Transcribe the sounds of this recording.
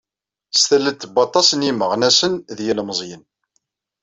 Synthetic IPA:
st̪ælːət̪ːbɑt̪ˤːɑsəniməʁnæsənðjælməzˤjən

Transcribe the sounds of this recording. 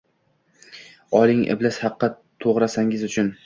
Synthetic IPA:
ɒlˠɪŋʔɪ̰blashɑqːɑ | t̪ʰoʁɾasaŋɪzʊt͡ʃʰʊn

